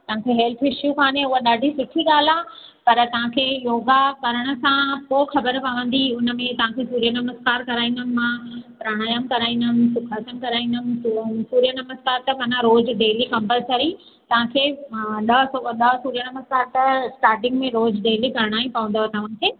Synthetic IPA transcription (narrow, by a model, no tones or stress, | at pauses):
t̪ɐʋ̤ɦãkʰeɦeːlt̪ʰɪʃjukʰaːneʊɦaɗaːɖʱisʊʈʰiɠaːlãː | pɐɾt̪ɐʋ̤ãkʰeːjoːɡakɐɾəɽ̃ə̆sãpoːxɐbəɾpɐʋə̃n̆d̪iʊnə̆mẽt̪ɐʋ̤ãkʰesuːɾjənɐməzkaːɾkɐɾaːĩːnd̪əmãpɾaːɽ̃aːjəmkɐɾaːĩnd̪ənsʊkʰaːsənkɐɾaːĩːnd̪əmsuːɾijənɐməzkaːɾt̪ɐmãːnãɾoːd͡ʑɖeːlikɐ̃mpəlsɐɾi | t̪ɐʋ̤ãkʰeːɗɐoɗɐsuːɾijənɐməzkaːɾt̪ɐsʈaːɾʈɪ̃ŋɡmẽɾoːd͡ʑɖeːlikɐɾəɽ̃aːĩpɐʋə̃nd̪oɦet̪ɐʋ̤ãkʰeː